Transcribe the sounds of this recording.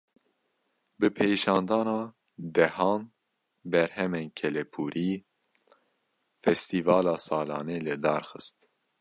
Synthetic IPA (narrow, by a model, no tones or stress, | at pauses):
bɨpʰejʃɑːnd̪ɑːnɑː | d̪ɛhɑːn | bɛɾhɛmeːnkʰɛlɛpʰuːɾʔiː | fɛst̪iːvɑːlɑːsɑːlɑ̰ːneːlɨd̪ɑːɾxɨst̪